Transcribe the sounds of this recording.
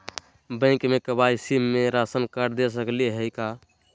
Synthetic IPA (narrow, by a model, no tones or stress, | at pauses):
bə̃kmekəbaisimːeɾasənkəɾd̪es̬əkliɦəjka